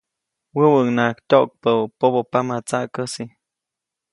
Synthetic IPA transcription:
wəwəŋnaktʲok̚pəpobopamat͡saʔkəsi

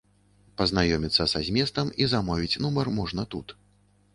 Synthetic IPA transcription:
pɐznajɔmʲit̪sːɐsazʲmʲɛst̪ɐmizamɔvʲit͡sʲnumɐrmɔʐnɐt̪ut̪

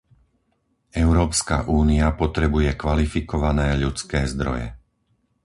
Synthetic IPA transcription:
ɛʊɾɔːpska̰ʔuːniapɔt̪ɾɛbujɛkʋalifikɔʋanɛːʎut͡skɛːzd̪ɾɔ̰jɛ̰

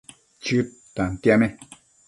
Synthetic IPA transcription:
t͡ʃʉ | t̪ant̪jamẽ

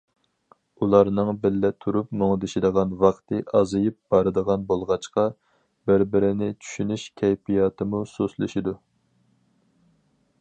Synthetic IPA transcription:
ulˠɑɾnɨŋbɪlːɛt̪ʰuɾupmoŋd̪ɨʃid̪əʁɑnwɑqt̪ɨʔɑzɨjɨp̚b̥ɑɾɨd̪əʁɑnbolˠʁɑt͡ʃqɑ | bɪɾbɪɾɪnɪt͡ʃʰy̥ʃynyʃkʲʰɛjpʰijɑt̪ʰɨmusoslˠɨʃid̪u

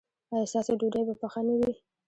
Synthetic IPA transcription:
ɑjɑst̪ɑseɖuɖajbapaxanawi

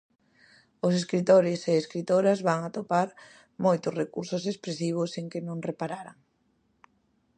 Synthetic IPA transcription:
ʊs̬eskɾit̪oɾɪseːskɾit̪oɾɐzβaŋat̪opaɾ | mojt̪ʊsrekuɾsʊsespɾesiβ̞ʊseŋkɪnõŋrepaɾaɾaŋ

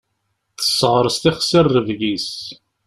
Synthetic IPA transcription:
θə̥sːʁɾˤəst̪iχsirːəvʝis

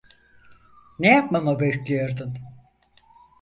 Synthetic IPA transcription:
nejap̚mamabɛclʲijoɾd̪un

